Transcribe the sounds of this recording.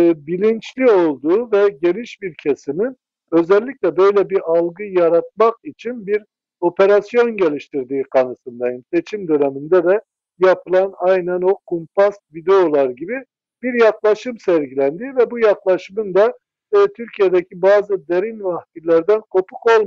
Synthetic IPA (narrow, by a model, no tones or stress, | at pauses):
bilʲint͡ʃlʲio̞lˠd̪uːvɛɟe̞niʃbiɾcʰesimin | ø̞zɛlʲːicʲlʲɛbø̞jlʲɛbiɾʔalˠɡɯjaɾat̪̚maqit͡ʃʰinbiɾ | o̞pʰe̞ɾasjo̞nɟe̞lʲiʃt̪iɾd̪iːkʰanɯsɯnd̪ajɯmset͡ʃʰimd̪ø̞nemind̪ɛd̪ɛ | japʰɯlˠanajnænokʰumpʰast̪vid̪eolˠaɾɟibi | b̥iɾjaklˠaʃɯmsæɾɟilʲænd̪ivɛbujaklˠaʃɯmɯnd̪a | t̪ʰyɾcʰijed̪ɛcʰibaːzɯd̪eɾinvahfilʲːæɾd̪ænkʰo̞pʰuko̞lˠm